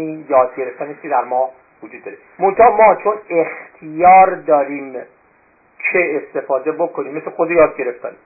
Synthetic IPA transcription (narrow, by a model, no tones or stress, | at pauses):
ijɒːd̪̚ɟe̞ɾeft̪æniːskʲʰed̪æɾmɒː | vod͡ʒud̪̚ːɒːɾe | mont̪ʰɒmɒːt͡ʃʰone̞xt̪ʰijɒːɾd̪ɒːɾiːm | t͡ʃʰeːst̪e̞fɒːd̪ebokʰoniːmːesexod̪ejɒːd̪̚ɟe̞ɾeft̪æn